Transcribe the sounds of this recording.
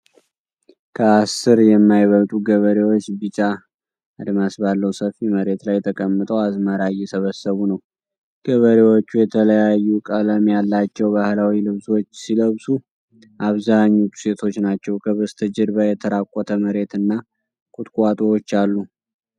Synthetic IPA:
kʰəasɨɾjɛmːajβəlt̪ʼuɡəβəɾewo̞t͡ʃːbɨt͡ʃʼa | ad̪masbalːəwsəfiməɾe̞t̪lajt̪ʰəkʼəmːɨt̪ʼəwazmaɾajɛsəβəsːəβunəw | ɡ̥əβəɾewot͡ʃːujɛt̪ʰələjajːukʼələmjalːat͡ʃːɛwbahlawilɨβso̞t͡ʃːsiləβsu | ʔaβzaɲːut͡ʃ̪ːu̥se̞t̪ʰo̞t͡ʃːnat͡ʃːɛwkʰəβəst̪ʰəd͡ʒɪɾbajɛt̪ʰəɾakʼːɔt̪ʰəməɾe̞t̪ɨnːa | kʼut̪ʼkʷʼat̪ʼuwot͡ʃːalːu

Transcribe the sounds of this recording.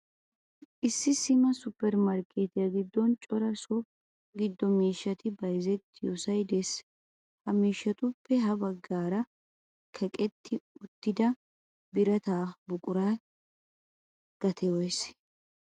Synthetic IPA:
ʔɪsːɪsɪmɐsʊpːɛɾmɐɾkʼeːt̪ɪjɐɡɪd̪ːɔnt͡ʃʼɔɾɐsɔ | ɡɪd̪ːɔmiːʃːɐt̪ɪbɐjzɛt̪ːɪjusɐjd̪es | hɐmiːʃːɐt̪ʊpːɛɦɐbɐɡːaːɾɐ | kʰɛkʼɛt̪ːɪʊt̪ːɪd̪ɐ | bɪɾɐt̪aːbʊkʼʊɾaː | ɡ̥ɐt̪ʰɛɔjs

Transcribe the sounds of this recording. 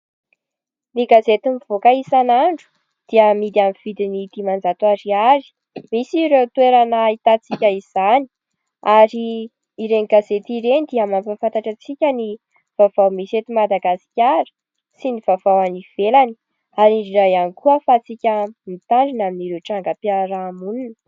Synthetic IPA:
niɡazet̪imiv̥okaisanaɳɖ͡ʐu̥ | d̪̥iəmid̪iamiv̥id̪init̪imand͡zat̪uaɾiaɾi̥ | misiɾet̪ueɾanait̪at͡sikʲəiz̥ani̥ | aɾiː | ɾeniɡazet̪iɾenid̪iamamfafant̪aʈ͡ʂat͡sikʲəni | v̥av̥awmisiet̪imad̪aɡasi̥kʲaɾi̥ | siniv̥avawaniv̥elani | aɾiɳɖ͡ʐiɾajanikuəfat͡sikʲəmit̪aɳɖ͡ʐinaminiɾeʈ͡ʂaŋɡəpiaɾaːmununə

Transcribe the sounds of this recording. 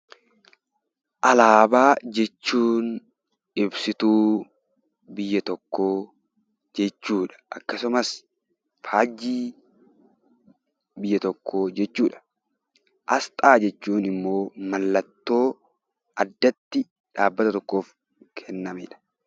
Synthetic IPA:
ʔɐlaːbaːd͡ʒɛt͡ʃːuːn | ɪbsɪt̪uː | bɪjːɐt̪ɔkːoː | d͡ʒɛt͡ʃːuːᶑɐ̥ʔɐkːɐsʊmɐs | faːd͡ʒiː | bɪjːɐt̪ɔkːo̞ːd͡ʒɛt͡ʃːuːᶑɐ̥ | ʔɐst̪ʼaːd͡ʒɛt͡ʃːuːnɪmːo̞ːmɐlːɐt̪ːo̞ː | ʔɐd̪ːɐt̪ːɪ | ᶑaːbːɐt̪ɐt̪ɔkːo̞ːf | kʰɛnːɐmɪ̰ᶑɐ̥

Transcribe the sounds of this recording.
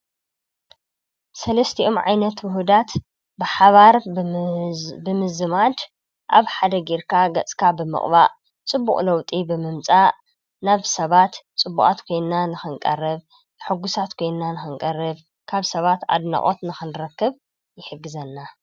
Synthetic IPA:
sɐlɐst̪ʰiʔomʕa̰jnɐt̪wʊɦud̪at̪ | bɨħaβaɾ | bɨmɨzɨmad̪ | ʔaβħad̪ɐɡiɾkʰaɡɐt͡sʼkʰabɨmɨ̰χʼβaʔ | t͡sʼɨbːṵχʼlɐwt̪ʼibɨmɨmt͡sʼa | naβsɐβat̪t͡sʼɨbːukʼat̪kʰo̞jnːanɨxɨŋkʼɐ̰rɐβ | ħɨɡusat̪kʰo̞jnnanɨxɨŋkʼɐrːɨβ | kʰaβsɐβat̪a̰d̪na̰χʼo̞t̪nɨxɨnɾɐkːɨβ | jɪħɨɡːɨzɐnːa

